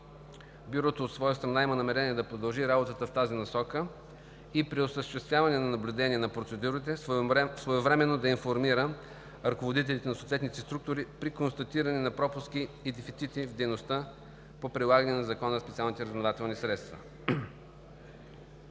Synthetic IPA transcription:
bjuɾɔt̪oːt̪svɔjəst̪ɾɐnaimənɐmɛɾɛniɛd̪ɐpɾod̪ɐlˠʒiɾabot̪ət̪əft̪azinɐsɔkə | ipɾiosəsʃt̪ɛst̪vʲjavɐnɛnɐnɐblʲʊd̪ɛniɛnɐpɾot̪sɛd̪uɾit̪ɛsvoɛvɾɛmɛnːod̪ɐinfoɾmiɾə | ɾɐkovod̪it̪ɛlʲit̪ɛnɐsoːt̪vɛt̪nit̪ɛst̪ɾuk̚t̪ʊɾipɾikonst̪ɐt̪iɾɐnɛnɐpɾɔpʊskiːd̪ɛfit̪sit̪ivd̪ɛjnost̪ə | popɾilˠaɡənɛnɐzɐkɔnəspɛt̪sʲialˠnit̪ɛɾəznovat̪ɛlˠnisɾɛt̪st̪və̰

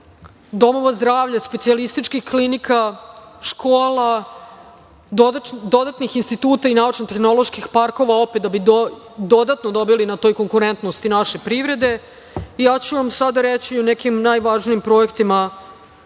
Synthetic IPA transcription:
d̪o̞mo̞ʋazd̪ɾaːʋʎaspesialist̪it͡ʃkixklinikʰaʂkoːla | d̪od̪at̪nixinst̪it̪uːt̪ainaut͡ʃnot̪exno̞lˠoʃkixpaɾko̞ʋao̞pet̪d̪abi | d̪o̞d̪at̪nod̪o̞bilinat̪o̞ːjko̞ŋkuɾent̪nost̪inaʃe̞pɾiʋɾe̞d̪e̞ | ijaːt͡ɕuʋamsad̪aɾet͡ɕionɛkimnajʋaʒnijimpɾo̞ekt̪ima

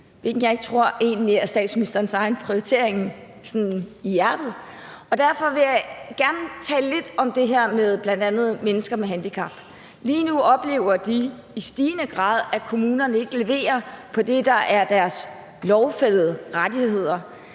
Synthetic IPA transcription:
ʋeɡ̥n̩jɑ̈ɪe̝ɡ̥̚t͡sʰʁo̝ɐ̰e̝̰ːnliæɐsd̥ɛ̰ːd̥sminisd̥ɐnsɑ̈ɪnpʰʁioit͡sʰe̝ɐ̰eŋn̩ | sɔnnijæɐd̥ð̞̩ˠɒ̽d̥æɐfɒ̽ʋe̝jɑ̈ɪɡ̥æɐnət͡sʰɛ̰ːl̩le̝d̥ɒ̽md̥e̝ɦæɐ̰með̞ˠb̥læn̰d̥ænð̞̩ˠmenəsɡ̥ɐmeɦænd̥ikʰɑ̈b̥ | liːnuɒ̽b̥le̝̰ːʊɐd̥iː | sd̥iːnəɡ̥ʁɑ̰̈ːð̞ˠækʰo̝muːnɐnəe̝ɡ̥əle̝ʋe̝̰ːɐpʰɒ̽d̥e̝d̥ɑ̈ʔæɐd̥æɐs | lɒʊfel̰ð̩ˠəʁad̥ihe̝ð̰ˠɐ

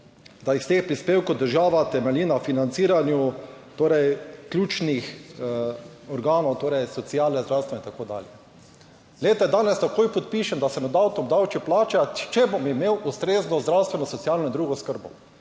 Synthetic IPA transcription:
d̪aist̪eːxpɾispeːwkɔwd̪əɾʒaːʋat̪ɛmɛliːnafinant̪siːɾanjut̪oːɾɛjkljuːt͡ʃnix | ɔɾɡaːnɔwt̪oːɾɛjsɔt̪sijaːlnɛzd̪ɾawst̪ʋɛnɛint̪akoːd̪a̰ːljɛ | leːt̪ajɛd̪aːnɛst̪akoːjpɔt̪̚piːʃɛnd̪asɛnɔd̪awt̪ɔmd̪awt͡ʃiplaːt͡ʃat͡ʃɛbɔmimeːwʔust̪ɾeːznɔzd̪ɾawst̪ʋɛnɔsɔt̪siaːlnɔind̪ɾuːɡɔskəɾbɔ

